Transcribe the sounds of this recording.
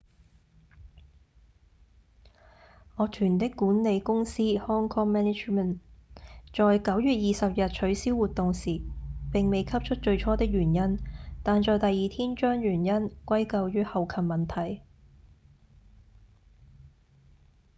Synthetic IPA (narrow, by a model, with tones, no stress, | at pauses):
ɔː˨˧t̪ʰyː˨˩nt̪ɪ˥kːuː˨˥nle˨˧jkʊ˥ŋsiː˥hɔː˥ŋkʰɔː˥ŋmɛː˥nɪ˥t͡ʃmə˨n | t͡ʃɔː˨jkɐ˨˥wjyː˨t̚jiː˨sɐ˨p̚jɐ˨t̚t͡ʃʰɵ˨˥ɥsiː˥wuː˨t̪ʊ˨ŋsiː˨˩pɪ˨ŋme˨jkʰɐ˥p̚t͡ʃʰɵ˥t̚t͡ʃɵ˧ɥt͡ʃʰɔː˥t̪ɪ˥k̚ɥyː˨˩njɐ˥nt̪aː˨nt͡ʃɔː˨˧jt̪ɐ˨jːiː˨t̪ʰiː˥nt͡ʃœː˥ŋjyː˨˩njɐ˥nkʷɐ˥jkɐ˧wjyː˨˥hɐ˨wkʰɐ˨˩mmɐ˨˩nt̪ʰɐ˨˩j